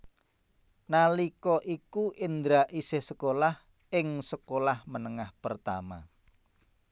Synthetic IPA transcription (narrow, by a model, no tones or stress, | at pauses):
nalikɔʔikuʔɪnd̪ɾaʔisɪhsəkolah | ɪŋsəkolahmənəŋahpərt̪a̰ma̰